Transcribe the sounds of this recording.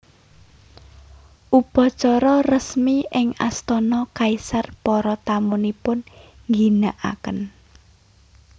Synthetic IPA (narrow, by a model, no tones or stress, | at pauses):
ʔupɔt͡ʃɔɾɔrəsmiʔɪŋa̰st̪ɔnɔkaisarpɔɾɔt̪amunipʊnŋɡinaʔa̰kən